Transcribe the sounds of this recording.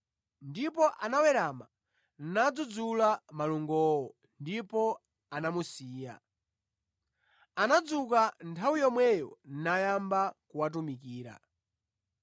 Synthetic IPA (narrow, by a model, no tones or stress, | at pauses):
ndipɔʔanawɛɾama | nnad͡zud͡zulamaluŋɡɔːwɔ | ndipɔ | anamusiːja̰ | anad͡zukantʰawijɔmwɛjɔn̩najambakuwat̬umikiːɾa̰